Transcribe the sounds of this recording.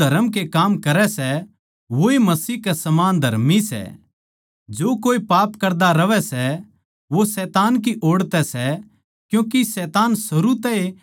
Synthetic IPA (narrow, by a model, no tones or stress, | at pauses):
ɐɾəmkekaːmkɐɾɛsɛ | ʋoemɐsiːɦkɛsɐmaːnd̪ʱɐɾmisɛ̰ | d͡ʒoːkoːipaːpkɐɾd̪aɾɐʋɛsɛ | ʋosɛːt̪aːnk̬iʔoːɽt̪ɛsɛ | kjũːkisɛːt̪aːnsɐɾut̪ɛe